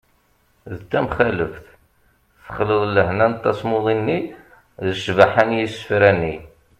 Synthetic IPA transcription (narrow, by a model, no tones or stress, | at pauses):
ðt̪ːæmχæləfθ | θə̥χləðˤləhnænt̪ːæ̰smoðˤinːi | ðəʃvaħanjisə̥fɾænːi